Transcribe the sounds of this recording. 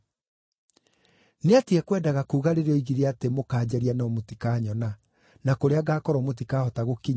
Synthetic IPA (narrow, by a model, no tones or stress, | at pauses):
neatiɛkwɛːdaɣakuːɣaɾeɾeɔiɣiɾeatemokaːd͡ʑɛɾianaɔmotikaːɲɔna | nakoɾeaɡaːkɔɾɔmot̬ikaːhɔtaɣokiɲ